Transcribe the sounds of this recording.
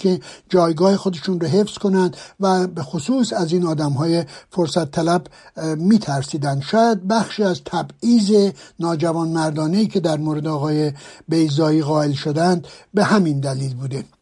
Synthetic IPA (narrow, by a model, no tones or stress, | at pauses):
kʰed͡ʒɒːjɡɒːhexo̞d̪eʃuːnroɦe̞fsko̞nænd̪væbexosuːsæziːnɒːd̪æmɦɒːjefoɾsæt̪ʰːælæbmiːt̪ʰæɾsiːd̪ænd̪ʃɒːjæd̪̚bæxʃiːæzt̪ʰæbiːze̞nɒːd͡ʒævɒːnmæɾd̪ɒːne̞iːkʰʲe̞d̪æɾmoːɾe̞d̪eɒːɣɒːjebe̞jzɒːiːɣɒːe̞lʃod̪ænd̪be̞hæmind̪æliːlbuːd̪e